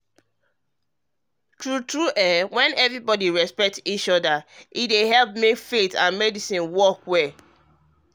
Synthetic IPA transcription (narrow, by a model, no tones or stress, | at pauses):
tʰɹutɹuʔɛwɛ̃nɛvɹibɔdiɹɛspɛk̚tit͡ʃɔdaʔideɦɛlp̚mifetãnmɛdisĩnwɔkwɛ